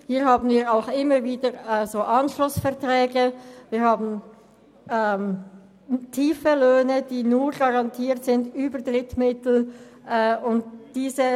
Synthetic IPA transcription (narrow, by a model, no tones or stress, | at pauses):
hiːhaːbn̩viːɾaʊxɪməɾviːdəɛzoːʔɑnʃlʊsfɛɐtʁɛːɡəviːhaːbn̩ | ɛm | tʰiːfəløːnəd̥iːnuːʁɡɑʁɑntʰiːɐtz̥ɪndyːbədʁɪtmɪtl̩ʔɛʊnt̚d̥iːzə